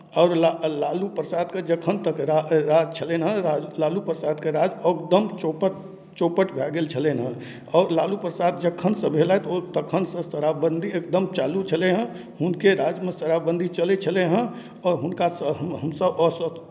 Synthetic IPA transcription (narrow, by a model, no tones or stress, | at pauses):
ɔːɾlalalupɾəsad̪ked͡ʒəkʰənt̪əkeɾaɾad͡ʒt͡ʃʰəlenɦə̃alalupɾəsad̪keɾad͡ʒəkd̪əmt͡ʃopəʈ | t͡ʃopəʈbʱɛɡelt͡ʃʰəlenɦə̃ | ɔːɾlalupɾəsaːd̪̚d͡ʒəkʰənsə̃bʱelaet̪ɔot̪əkʰːənsə̃səɾabə̃nd̪ʱiek̚d̪əmt͡ʃaːlut͡ʃʰəleɦə̃ | ɦʊnkeɾad͡ʒmẽsəɾabə̃nd̪ʱit͡ʃəlet͡ʃʰəleɦə̃ | ɔːɾɦʊnkasəəɦəmsəbɔsət̪